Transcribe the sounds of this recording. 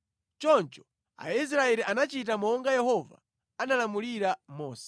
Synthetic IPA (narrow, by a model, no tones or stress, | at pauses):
t͡ʃɔnt͡ʃɔ̥ | a̰is̬ɾaɛɾiʔanat͡ʃit̬amɔŋɡajɛhɔva̰ | analamuliɾamɔːsɛ̥